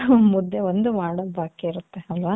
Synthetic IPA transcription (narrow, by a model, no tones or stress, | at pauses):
mud̪ʱːeʋond̪umaːɽobʱaːkːeiɾut̪ːeɐlʋaː